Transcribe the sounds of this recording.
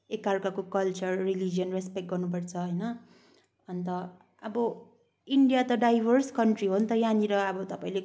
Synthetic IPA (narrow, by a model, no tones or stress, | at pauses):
ekːarkakokʌlt͡sʌrrilid͡zijʌnrespek̚ʈ̚ɡʌrnup̬ʌrt͡sʰʌɦʌjnʌ | ʌnt̪ʌ | ʌbʌ | iɳɖijat̪ʌɖajbʱʌrskʌɳʈriɦont̪ʌjaniɾʌʌbʌt̪ʌpaĩle